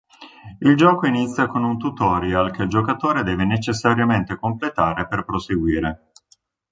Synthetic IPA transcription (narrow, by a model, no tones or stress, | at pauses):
ild͡ʒɔːkoinit̪sʲːjakonunt̪ut̪ɔːɾjalk̟eld͡ʒokat̪oːɾed̪ɛːvenet͡ʃesːaɾjament̪ekomplet̪aːɾeperpɾoseɡwiːɾe